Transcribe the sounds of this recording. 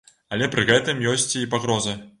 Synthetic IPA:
ɐlʲɛpɾɨɣɛt̪ɨmjɔsʲt͡sʲipaɣɾɔzɨ

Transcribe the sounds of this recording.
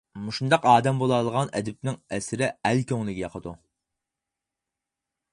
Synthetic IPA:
muʃund̪ɑqɑːd̪ɛmbolˠɑlˠəʁɑnɛ̰d̪ɪp̚nɪŋɛsɪɾɪælkʲøŋlˠɪɡʲɛjɑqʰəd̪u

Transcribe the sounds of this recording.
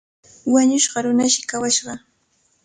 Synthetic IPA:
waɲʊʃɢɑɾʊnaʃɪ̥kawaʃɢɑ

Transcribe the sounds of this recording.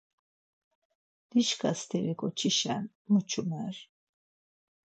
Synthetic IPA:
d̪̥iʃkʰast̪ʰɛɾɛkʰʼɔt͡ʃʰiʃan | mut͡ʃʰumɛɾ

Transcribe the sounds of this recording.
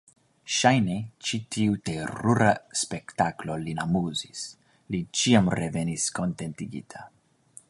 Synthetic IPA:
ʃajne̞t͡ʃitʰiuteɾuɾaspe̞ktaklo̞linamuzis | lit͡ʃiamɾe̞ve̞nisko̞nte̞ntiɡḭtʰa

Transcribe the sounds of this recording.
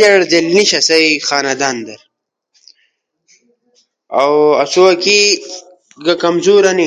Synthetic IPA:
ɐɽd͡ʑɐlniɕɐsɐjxaːnɐd̪aːnd̪ɐɾ | ɐwɐsuwɐki | ɡɐkɐmzuːɾɐni

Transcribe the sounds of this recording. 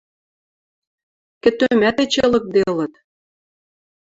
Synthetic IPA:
kɘ̆t̪ømæt̪et͡ɕĕlɤ̆k̚d̪elɤ̆t̪

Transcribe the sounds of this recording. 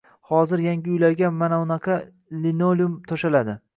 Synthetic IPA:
hɒzɪɾjaŋɡʲɪʊjlaɾɡʲamanaʊnɑqʰɑ | linoljʊmt̪ʰoʃalad̪ɪ

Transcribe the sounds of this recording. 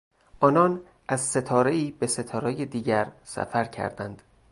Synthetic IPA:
ʔɒːnɒːn | ʔæzse̞t̪ʰɒːɾe̞iːbe̞se̞t̪ʰɒːɾɛːjed̪iːɟæɾsæ̰fæɾcʰæ̰ɾd̪ænd̪̥

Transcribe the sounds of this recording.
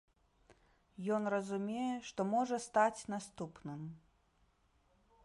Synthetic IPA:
jɔn̪rɐzumʲejɛʂt̪ɔmɔʐɐst̪at͡sʲnast̪upnɨm

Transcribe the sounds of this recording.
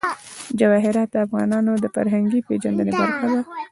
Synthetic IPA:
d͡ʒawɑɦɪɾɑt̪̚d̪əafɣɑ̰nɑnod̪əfaɾɦaŋɡiped͡ʒand̪ənebaɾxad̪a

